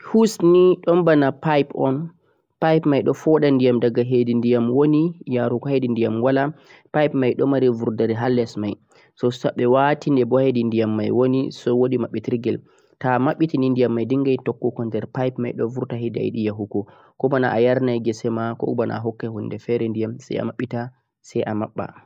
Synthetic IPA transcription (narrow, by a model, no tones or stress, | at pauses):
husniɗɔmbanapajpɔn | pajpmajɗɔfɔɗandijamdaɡaɦedindijamwonijaɾukɔhedindijamwala | pajpmajɗɔmaɾivuɾdaɾiɦalːɛsmaj | sɔsaɓɛwatindɛbɔhedindijamːajwonisɔwoɗimaɓːitiɾɡɛl | tamaɓːitinindijamːajdiŋɡajtɔkːɔkɔndɛɾpajpmajɗɔ̰vuɾtaɦeda̰jɗijaɦukɔ | kɔbana̰ʔajaɾnajɡɛsɛmakɔ̰bana̰ɦɔkːɛhunːdɛfɛɾɛndijamsa̰ja̰maɓːita | sɛjʔamaɓːa̰